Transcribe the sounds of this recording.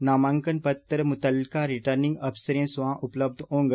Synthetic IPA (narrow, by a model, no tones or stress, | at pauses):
namãŋkənpət̪ːɾmut̪əlkaɾiʈəɾnĩŋɡəbsəɾẽsʋãʔupləb̚d̪ʱõːŋɡ